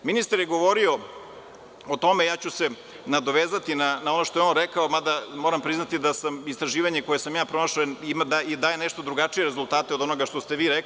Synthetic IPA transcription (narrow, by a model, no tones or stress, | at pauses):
minist̪aɾjeɡo̞ʋo̞ɾio̞ | ot̪o̞mejaːt͡ɕuse̞ | nad̪o̞ʋeːzat̪inanao̞no̞ʃt̪o̞jeo̞nɾekaomad̪amoːɾampɾiznat̪id̪asamist̪ɾaʒiːʋaɲeko̞jesamjaːpɾo̞naʃaimad̪ad̪aːjeneʃt̪od̪ɾuɡat͡ʂije̞ɾezult̪aːt̪eod̪o̞no̞ɡaʃt̪ost̪e̞ʋiːɾek